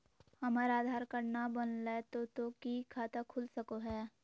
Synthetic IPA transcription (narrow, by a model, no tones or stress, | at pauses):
hɐməɾaːd̪ʱaːɾkəɾnabənlet̪ot̪okikʰaːt̪akʰʊlsəkoɦɛː